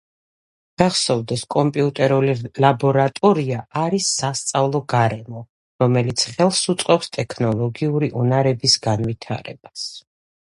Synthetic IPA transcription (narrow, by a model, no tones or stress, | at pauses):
d̥aχsɔvd̪ɛskʼɔmpʼiut̪ʼɛɾulilabɔɾat̪ʼɔɾiaaɾisːast̪sʼavlˠɔɡaɾɛmɔ | ɾɔmɛlit̪sʰχɛlˠsut̪sʼqʼɔpst̪ʼɛkʰnɔlˠɔɡiuɾiʔunaɾɛbisɡanvit̪ʰa̰ɾɛ̰b̥as